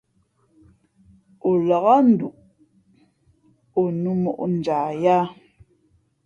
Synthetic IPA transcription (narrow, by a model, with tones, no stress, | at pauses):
o˨la˨ɣa˦n̩˨du˨ʔ | o˨nu˦mɔ˨ʔn̩˨d͡ʒaː˨ja˦